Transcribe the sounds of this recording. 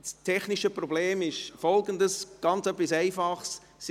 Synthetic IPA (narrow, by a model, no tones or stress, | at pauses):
stʰɛχniʃəpɾɔbleːmɪʃfɔlɡəndəsɡ̥ɑnt͡sœpːisæɪfɑχs | s